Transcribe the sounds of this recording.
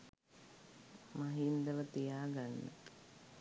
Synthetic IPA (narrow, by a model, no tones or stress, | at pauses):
maɦind̪əʋət̪ijaːɡanːə̰